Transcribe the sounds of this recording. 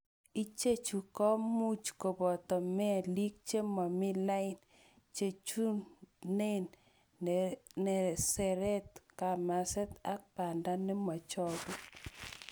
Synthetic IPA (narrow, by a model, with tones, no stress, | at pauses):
i˦t͡ʃe˦t͡ʃu˨kɔ˦mu˦t͡ʃko˨bɔ˨tɔ˨mɛ˦˨li˦k̚t͡ʃe˦ma˨mi˦la˦ɪ˦n | t͡ʃe˨t͡ʃu˦ne˦n | nɛ˨sɛ˨ɾɛ˦tka˨ma˨sɛ˦ta˦k̚pa˨nda˦ni˦ma˨t͡ʃɔ˦bu˦